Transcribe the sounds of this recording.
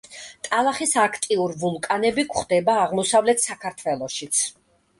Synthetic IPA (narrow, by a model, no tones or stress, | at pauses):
t̪ʼalˠaχisakʰt̪ʼiuɾvulˠkʼanɛbikʷʰχd̪ɛbaːʁmɔsavlɛt̪ʰsakʰaɾt̪ʰvɛlˠɔʃit̪sʰ